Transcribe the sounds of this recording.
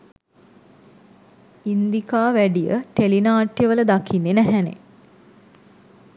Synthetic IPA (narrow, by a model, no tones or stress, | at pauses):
ind̪ikaːʋæɖijə̰ʈelinaːʈjəʋələd̪akʰinːenæɦænḛ